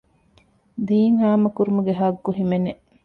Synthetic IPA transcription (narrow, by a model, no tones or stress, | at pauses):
d̪iːŋɦaːmɐkuɾumuɡeɦɐɡːuɦimene